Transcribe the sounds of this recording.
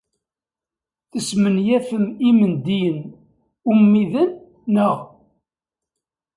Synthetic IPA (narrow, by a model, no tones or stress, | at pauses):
θəsmənjæfəmimənd̪ijən | umːiðənː | əʁ